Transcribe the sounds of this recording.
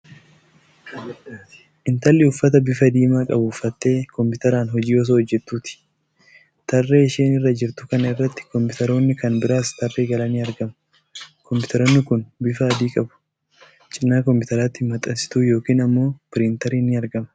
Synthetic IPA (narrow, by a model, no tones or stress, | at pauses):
ʔɪnt̪ɐlːɪʊfːɐt̪ɐbɪfɐd̪iːmaːkʼɐbufɐt̪ːe̞ːkɔmpɪt̪ɐɾaːnɦɔd͡ʒiːɔs̬oːhɔd͡ʒːɛt̪ːuːt̪ɪ̥ | t̪ɐrːeːɪʃeːnɪrːɐd͡ʒɪɾt̪ʊkɐnɐɪrːɐt̪ːɪ̥kɔmpɪʊt̪ɐɾo̞ːnːɪkɐnbɪɾaːst̪ɐrːeːɡɐlɐniːɐɾɡɐm | kɔmpʊt̪ɐɾo̞ːnːɪkʊnbɪfɐːd̪iːkʼɐbʊ̥ | t͡ʃʼɪnːaːkɔmpɪt̪ɐɾaːt̪ːɪmɐt̪ʼɐnsɪ̥t̪uːjo̞ːkiːnɐmːo̞ːpɪɾɪnt̪ɐɾiːnɪɐɾɡɐmɐ